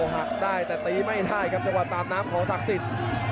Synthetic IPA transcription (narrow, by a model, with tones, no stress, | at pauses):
ɦa˨˩k̚daː˥˩jt̪ɛː˨˩t̪iː˦˥ma˥˩jdaː˥˩jkʰa˦˥p̚t͡ɕa˧ŋwa˨˩t̪ːaː˧mnaː˦˥mkʰɔː˨˦ŋt̪ʰa˦˥k̚si˨˩t̪̚